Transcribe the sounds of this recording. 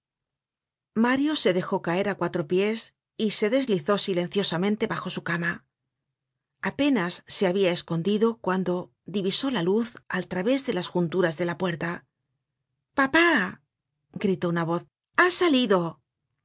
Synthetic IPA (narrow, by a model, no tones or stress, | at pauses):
maɾjo̞se̞ðe̞xo̞kae̞ɾakwat̪ɾo̞pje̞s | ise̞ðe̞zliθo̞silẽ̞n̟θjo̞samẽ̞nt̪e̞βaxo̞sukama | ape̞nasːe̞aβiae̞sko̞nd̪iðo̞kwand̪o̞ | ðiβiso̞laluθalt̪ɾaβe̞zðe̞lasxunt̪uɾazðe̞lapwe̞ɾt̪a | papa | ɡɾit̪o̞unaβ̞o̞θ | asaliðo̞